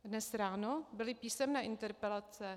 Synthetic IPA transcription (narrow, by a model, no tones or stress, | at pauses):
dnɛsɾaːnobɪlɪpiːsɛmnɛːʔɪnt̪ɛɾpɛlat͡sɛ